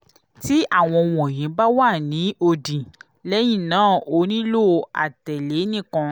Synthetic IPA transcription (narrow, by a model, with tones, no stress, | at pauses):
ti˦ʔa˦˨w̃ɔ̃˧wɔ̃˨jĩ˨˦ba˦wa˦˨nĩ˨˦o˧dĩ˨ | lɛ˦j̃ĩ˦˨nãː˦˨o˧˦nĩ˦lo˦˨a̰˨tɛ˨le˨˦nĩ˦˨kɔ̃˧